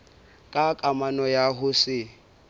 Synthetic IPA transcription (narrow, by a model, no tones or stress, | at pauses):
kʼakʼamanɔjaɦʊsɪ